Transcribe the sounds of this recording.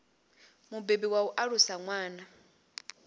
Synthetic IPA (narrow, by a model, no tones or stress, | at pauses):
mubebiwauʔaɺusaŋwaːna